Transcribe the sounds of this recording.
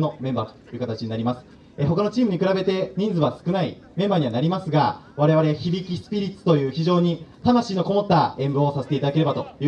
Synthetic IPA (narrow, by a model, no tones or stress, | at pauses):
no̞mẽ̞mba̰ːt̪o̥jɯ̟kat̪at͡ɕiɲ̟inaɾʲimasɨ̥ | eɦo̞kano̞t͡ɕiːmɯ̟ɲ̟ikɯ̟ɾabe̞t̪e̞ɲ̟ĩnd͡zɨβasɨ̥kɯ̟nai | mẽ̞mbaːɲ̟iβanaɾʲimasɨɡaβaɾe̞βaɾe̞açibʲikʲisɨ̥pʲiɾʲit͡sɨ̥t̪o̞jɯ̟ːçiʑo̞ːɲ̟it̪amaɕiːno̞ko̞mo̞t̪ːaẽ̞mbɯosase̞t̪eit̪ad̪ake̞ɾe̞bat̪o̞jɯ